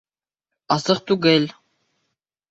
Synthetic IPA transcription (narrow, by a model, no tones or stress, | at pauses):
ɑsɤχt̪uɡɘlʲ